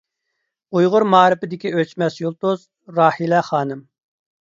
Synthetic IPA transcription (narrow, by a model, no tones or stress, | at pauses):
ujʁʊɾmɑːɾɪpɪd̪ɪkʲiøt͡ʃmɛsjulˠt̪ʊz | ɾɑːhilɛχɑːnɨm